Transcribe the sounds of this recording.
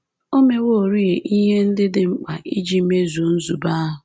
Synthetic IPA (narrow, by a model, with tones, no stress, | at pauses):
o˦me˦wo˦o˨ɾi˦e˨ʔi˦ɦe˦n̩˦dɪ˦dɪ˦ŋ͡m̩˦k͡pa˨ʔi˦d͡ʒi˨˦me˦zu˨˦n̩˦zu˨ba˦ɦʊ˨